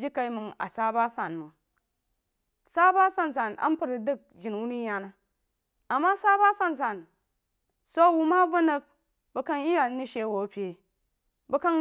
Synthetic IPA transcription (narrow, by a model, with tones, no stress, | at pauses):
d͡ʒi˦ka˨i˦mu˨ŋa̰˨sa˦ba˦sa˨nmu˨ | sa˦ba˦sa˨nsa˨na̰˦m˦pu˦˨ɾi˨dɨ˦˨k̚d͡ʒi˨n˨wu˦ni˦ɲa˨na˨ | a˨mːa˦sa˦ba˦sa˦nsa˨n | so˦wu˦ma˦bɐ˦nɐ˦k̚ | bɐ˨kɐ˦nji˦ja˨˦ni˦ʃe˦˨wo˨pʲe˨ | bɐ˨˦ka˦n